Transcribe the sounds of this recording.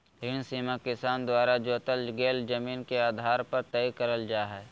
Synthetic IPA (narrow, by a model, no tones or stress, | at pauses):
ɦɪnsiːmakɪsaːnd̪waːɾad͡ʒoːt̪əlɡeːld͡ʒɐmiːnkeaːd̪ʱaːɾpɐɾt̪ɛjkɐɾəld͡ʒaːɦɛː